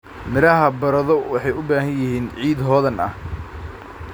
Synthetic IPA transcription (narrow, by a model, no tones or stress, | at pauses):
mɪɾɐɦɐbɐɾɐðɔwɑħɑjʊbaːɦɐnjɪɦiːnʕiːd̪ɦɔːðɐnɐ̰h